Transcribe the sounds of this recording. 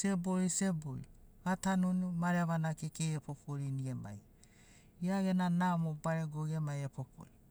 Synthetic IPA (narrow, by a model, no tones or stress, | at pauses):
seboiseboj̰ | atanunumaɾeβanakikeepʰopʰoɾiniema̰j | iaɡenanaomobaɾeɡoɡemajepʰopʰo̰ɾi